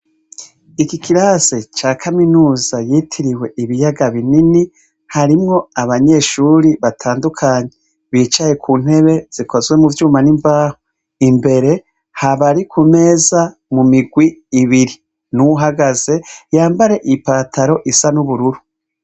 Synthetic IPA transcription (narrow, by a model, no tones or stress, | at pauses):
ikikʰiɾaːzet͡ʃaːkʰaminuːzajiːtʰiɾiwe̞ʔiβijaɡaβinini | haɾimŋo̞aβaɲe̞ʃuːɾiβatʰaːndukʰaːɲe | βiːt͡ʃaje̞kʰuːn̥he̞βe̞z̥ikʰo̞zwe̞muvjuːmanimbaːho | imbe̞ɾe̞ | haβaɾikʰume̞ːza | mumiɡwiːβiɾi | nuɦaɡaze̞jaːmbaɾe̞ʔipaːtʰaɾo̞ʔisanuβuɾuɾu